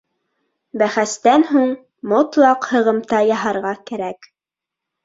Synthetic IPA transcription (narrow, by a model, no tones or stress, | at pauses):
bæχæst̪ænɦuɴ | mot̪lˠɑqhɤ̆ʁɤ̆mt̪ɑjɑɦɑɾʁɑkæɾæk